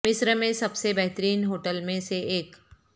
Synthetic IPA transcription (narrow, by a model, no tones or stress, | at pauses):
mɪsɾəmẽsɐbsebɛɦt̪ɾiːnɦoːʈəlmẽseeːk